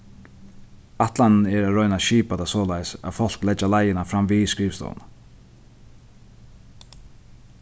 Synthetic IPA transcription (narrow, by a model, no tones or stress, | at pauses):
aht̪lanɪnɛɾaɾɔʏnaʃiːpat̪asɔːlajsæ̰ðfɔl̥klɛt͡ʃːalajɪnafɾamviskɾiːfst̪ɔ̰w̰na